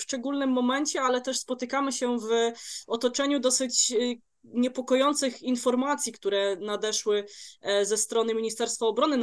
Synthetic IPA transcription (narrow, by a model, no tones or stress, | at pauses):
ʂt͡ʂɛɡulnɘmːɔmɛnt͡ɕɛalɛt̪ɛʂspɔt̪ɘkamɘɕɛvɔt̪ɔt͡ʂɛɲud̪ɔsɘt͡ɕ | ɲɛpɔkɔjɔnt̪sɘxinfɔɾmat̪sʲjikt̪uɾɛnad̪ɛʂwɘzɛst̪ɾɔnɘmʲiɲist̪ɛɾst̪faɔbɾɔnɘ